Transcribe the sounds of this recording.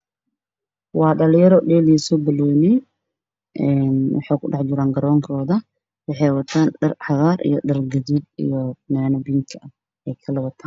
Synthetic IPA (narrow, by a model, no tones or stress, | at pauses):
wɑːɗɐljɐɾɔɗɛːlisɔbɐloːni | ʔɛːnwɑ̰ħɑjkʰʊɗɑħd͡ʒɪɾaːŋɡɐɾɔːŋkʰɔːðɐ | wɑħɑjwɐt̪ʰaːnɗɐrħɑðaːɾʔḭjɔɗɐrɡɐdɪd̪ḭjɔnaːnɐbiŋkʰɐɐ | ɛjkʰɐlɐwɐt̪ʰaːn